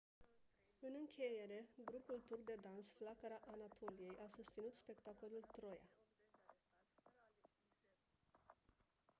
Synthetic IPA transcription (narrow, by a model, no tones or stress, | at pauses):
ɨnɨŋkʲʰe̞je̞ɾe̞ɡɾupult̪urd̪e̞d̪ansflakəɾaʔanat̪ʰo̞lije̞jʔasust̪sinut̪spe̞kt̪ako̞lult̪ɾo̞ja̰